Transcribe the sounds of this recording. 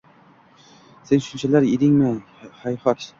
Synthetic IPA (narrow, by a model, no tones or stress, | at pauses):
se̞nʃʊnt͡ʃʰalaɾed̪ɪŋmɪ | hajhɒkʲ